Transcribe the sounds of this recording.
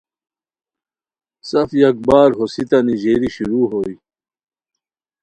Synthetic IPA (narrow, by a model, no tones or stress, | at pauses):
sɐfjɐk̚baːɾɦosit̪ɐniʑeːɾiɕuɾuːɦoi